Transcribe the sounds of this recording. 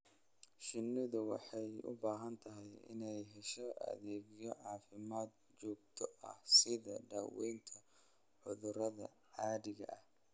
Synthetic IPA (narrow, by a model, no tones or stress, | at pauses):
ʃɪnːɪðʊwɑħɑjʊ̰baːɦɐnt̪ʰɐɦɛjɪ̰nɛjɦɛʃɔɐ̰ðɛːɣɪjɔʕɑːfɪmaːd̪̚ | t͡ʃɔːɡ̚t̪ʰɔɐ̰hsɪðɐɖaːwɛ̰jnt̪ʰɐ | ʕʊðʊɾɐðɐ̰ | ʕaːðɪɣɐ̰ʔɐh